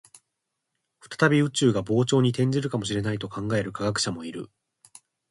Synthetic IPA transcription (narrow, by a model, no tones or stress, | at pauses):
ɸɯ̥t̪ḁt̪abʲiɯ̟t͡ɕɨːɡabo̞ːt͡ɕo̞ːɲ̟it̪ẽ̞ɲ̟d͡ʑiɾɯ̟kamo̞ɕ̬iɾe̞nait̪o̞kãŋɡae̞ɾɯ̟kaɡak̬ɯ̟̥ɕamo̞iɾɯ̟̰